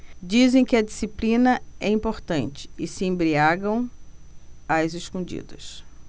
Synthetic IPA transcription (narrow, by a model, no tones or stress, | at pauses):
d͡ʒizẽj̃kɪɐd͡ʒisiplĩnɐɛĩpoɾt̪ɐ̃nt͡ʃɪ̥ɪsɪẽbɾiaɡɐ̃w̃ | azɪskõnd͡ʒḭd̪ɐs